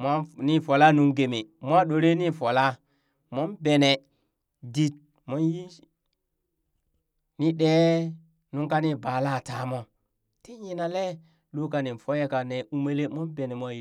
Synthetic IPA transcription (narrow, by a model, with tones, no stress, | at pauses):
ma˦ni˦fo˨la˦nu˦ŋɡe˨mi˨mʷ˦a˦ɗo˨ɾe˦ni˦fo˨la˦ | mo˦nbe˨ne˨ | di˦t̚ | mo˦nji˦ | ni˦ɗe˦ | nu˦ŋka˦ni˦ba˨la˦˨ta˨˦mo˦ | te˦ɲi˦na˨le˦ | lo˦ka˨ni˨n˨fo˦je˦ka˨ne˨u˦me˦le˦mo˦nbe˨ne˨mʷ˦a˦ji˦